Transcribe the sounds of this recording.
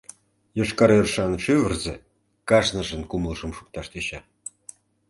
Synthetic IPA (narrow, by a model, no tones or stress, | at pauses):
joʃkɑɾerʃɑnʃyvə̆rzĕ | kɑʃnə̆ʒə̆nkumlʒə̆mʃu̥k̚t̪ɑʃt̪eɕɑ